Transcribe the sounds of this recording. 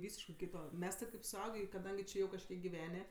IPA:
ˈʋʲiːsʲɪʃkɜ ˈkʲiːtoː ˈmʲɛs tʲɪ kɐɪp sʊˈɐʊɡʲeː ɪ kɐˈdɐŋʲɡʲɪ ˈt͡ʃʲeː jɛʊ kɐʃʲˈkʲiɛk ɡʲɪˈʋʲæːnʲeː

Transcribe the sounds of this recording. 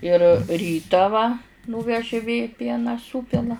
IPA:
ɪr ˈrʲiːtɑː ʋɐ ˈnuːʋʲɛʒʲɪ ʋʲeː ˈpʲiɛnɑː ˈsuːpʲɪlˠɐ

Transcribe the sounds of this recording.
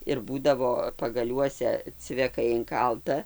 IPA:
ɪr ˈbuːdɐʋoː pɐɡɐˈlʲuɔsʲɛ t͡sʲʋʲɛˈkɐɪ ɪŋˈkɐlˠtɐ

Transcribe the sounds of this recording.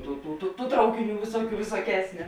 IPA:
ˈtuː tuː tuː tuː ˈtrɐʊkʲɪˌnʲuː ˈʋʲɪsuɔˌkʲuː ʋʲɪsuɔˈkʲæːsʲnʲʊ

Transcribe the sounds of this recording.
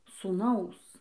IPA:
suːˈnɐʊs

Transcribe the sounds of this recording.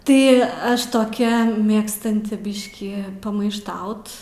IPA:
ˈtɐɪ ˈɐʃ toːˈkʲɛ ˈmʲeːkstɐnʲtʲɪ ˈbʲɪʃʲkʲiː pɐmɐɪʃˈtɐʊt

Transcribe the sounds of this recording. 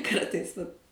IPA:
ˈkɐrtɐɪs ʋɐt

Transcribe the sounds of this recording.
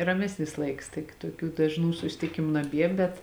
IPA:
rɐˈmʲæːsʲnʲɪs ˈlˠɐɪks ˈtʲɪk tuɔˈkʲuː dɐʒˈnuː sʊsʲɪtʲɪˈkʲɪmʊ nɐˈbʲiɛ ˈbʲɛt

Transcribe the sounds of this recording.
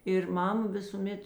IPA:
ɪr ˈmɐm ˈʋʲɪsuːˌmʲɛt

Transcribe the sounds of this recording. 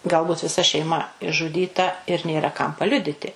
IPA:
ˈɡɐlˠˌbʊt ʋʲɪˈsɐ ʃʲɛɪˈmɐ ɪʒʒʊˈdʲiːtɐ ɪr ˈnʲeːrɐ kɐm pɐˈlʲʊdʲɪtʲɪ

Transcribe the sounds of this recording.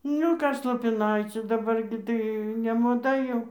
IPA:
ˈnʲʊ ˈkɐs lˠoːpʲɪˈnɐɪt͡sʲʊ dɐˈbɐr ɡʲɪ tɐɪ nʲɛmoːˈdɐ jɛʊ

